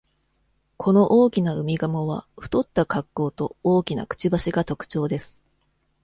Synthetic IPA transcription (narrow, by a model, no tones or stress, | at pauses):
kʰo̞no̞ʔoːkʲinaɯ̟mʲiɡamoβa̰ɸɯ̟̥t̪o̞t̪ːakakːo̞ːt̪o̞oːkʲina̰kɯ̟̥t͡ɕibaɕiɡat̪o̞kɯ̥t͡ɕo̞ːd̪e̞sɨ̥